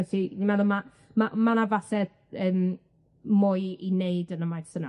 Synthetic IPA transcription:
ɛsinimɛðʊma | mamanavasɛð | əːm | mʊjineɨdənəmajsəna

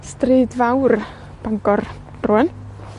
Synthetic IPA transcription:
striːdvawr | b̥aŋɡɔr̥ | ruːən

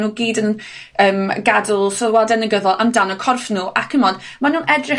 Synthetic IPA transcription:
nuːɡiːdən | əːmɡadʊlˠsɔðwadɛnəɡəðɔlˠʔəmdanɔkʰɔrfnuːʔakʰəmɔd | manuːnʔɛdrɪ

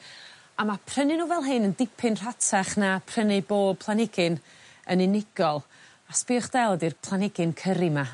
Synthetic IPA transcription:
amapʰr̥ənɨnuːvɛlˠɦɨnəndɪpʰɪnr̥atʰaχnapʰrənɨboːd̚pʰlˠanɪɡɪn | ənɪnɪɡ̥ɔlˠ | aspɪχd̥ɛlˠɔdirpʰlˠanɪɡɪnkʰəɾima

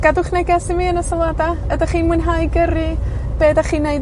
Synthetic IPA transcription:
ɡ̥adʊχnɛɡɛsɪviːənəsɔlˠadaədaχiːnmwɨnɦajɡərib̥eːdaχiːnːejd

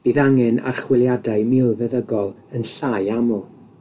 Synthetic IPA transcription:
b̥iðaŋɛna̰rχwɪlˠjadaɨmɪlˠvɛðəɡɔlˠ | ənɬaːjamɔ

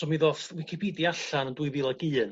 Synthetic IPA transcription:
ɔmiðɔθwɪkʰipʰidiaɬanəndʊɨvilˠaɡiːn

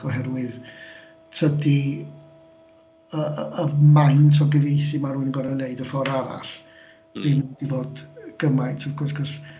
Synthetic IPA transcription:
ɔɦɛrwɨð | tʰədi | əəmajntʰɔɡəvejθimaruːnənɡɔɾaneɨdəfɔɾaɾa̰ɬ | b̥ɪndivoːdɡ̥əmajtʰɔɡɔsɡʰɔs

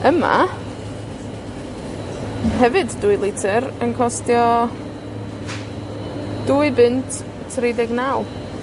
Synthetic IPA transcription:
əma̰ | ɦɛvɨdːʊɨlˠɪtʰɨɾənkʰɔstjɔ | d̥uɨbɪntʰ | redɪɡnawlˠ

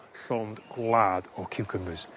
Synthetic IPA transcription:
ɬɔndɡ̥lˠadɔkʰʉwkʰə̃mbəz̥

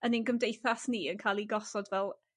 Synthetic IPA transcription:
əninɡəmdejθasniːənkʰaːlˠiɡɔsɔdvɛlˠ

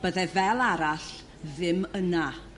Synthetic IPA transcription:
b̥əðɛvɛlˠaɾaɬ | ðɪməna

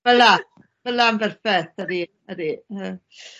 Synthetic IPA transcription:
vəla | vəlambɛrfɛθəɾi | əɾiə

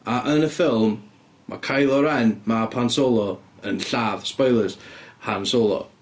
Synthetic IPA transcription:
aʔənəfɪlˠmː | a̰kʰajlˠɔɾɛnmapʰansolˠɔənɬavspɔjlˠəz̥hansolˠɔ̰

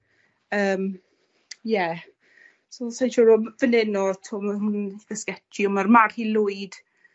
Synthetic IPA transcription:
əːm | jɛ | sosanʃʊɾʊvənɪnɔtʰʊmnɡəskɛtʰiɔmarmarhilˠʊːɨd̥

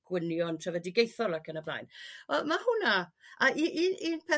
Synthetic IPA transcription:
ɡ̥wɪnjɔntʰrəvədɪɡejθɔlˠakʰənabla̰jnɔmahʊnaaʔiʔiniːnpʰɛ

